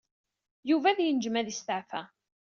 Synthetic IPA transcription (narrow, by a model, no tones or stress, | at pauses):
juvæðjənd͡ʒəmæðist̪əʕfæ